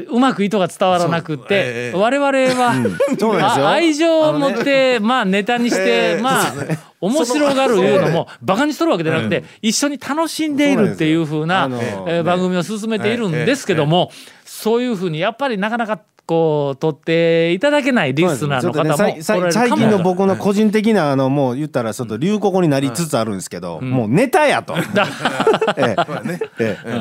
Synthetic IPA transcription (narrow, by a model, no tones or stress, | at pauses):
ɯ̟makɯ̟it̪o̞ɡat͡sɨ̥t̪aβaɾanakɯ̟t̪ːe̞βaɾe̞βaɾe̞βa | aaiʑo̞ːmot̪ːe̞maːne̞t̪aɲ̟iɕi̥t̪e̞maː | omo̞ɕiɾo̞ɡaɾɯ̟jɯ̟ːno̞mo̞ | bakaɲ̟isoɾɯ̟βake̞d̪anakɯ̟̥t̪e̞ | iɕːo̞ɲ̟it̪ʰano̞ɕĩnd̪e̞iɾɯ̟t̪ːe̞jɯ̟ːɸɯ̟ːnabãŋɡɯ̟mʲio̞s̬ɨs̬ɨme̞t̪e̞iɾɯ̟̃nd̪e̞sɨ̥ke̞d̪o̞mo̞so̞ːjɯ̟ːɸɯ̟ːɲ̟ijapːaɾʲinakanaka | ko̞ːt̪o̞t̪ːe̞it̪ad̪ak̬e̞naiɾʲisɨnaːno̞kaamosaoɾaɾesaiakʲĩnːobo̞kɯno̞ko̞ʑĩnt̪̬e̞k̬ʲinaːno̞moːjɯ̟t̪ːaɾat͡ɕo̞t̪ːoɾʲɯːkokoɲ̟inaɾʲit͡sɨt͡sɨaɾɯ̟̃nd̪esɨ̥ke̞d̪o̞̰moːne̞t̪ajat̪o̰d̪a